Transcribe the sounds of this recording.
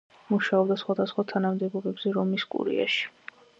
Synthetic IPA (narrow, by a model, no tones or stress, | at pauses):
muʃaɔbd̪asχwad̪asχwat̪ʰanamd̪ɛbɔbɛbz̥ɛɾɔmiskʼṵɾḭa̰ʃi̥